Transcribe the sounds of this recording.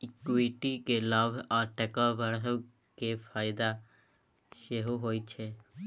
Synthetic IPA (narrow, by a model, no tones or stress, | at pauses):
ɪkwiʈikelaːbʱaːʈɛkaʋəɽɦə | kefʰaːɪd̪a | ʃeɦuɦoːit͡ʃʰeː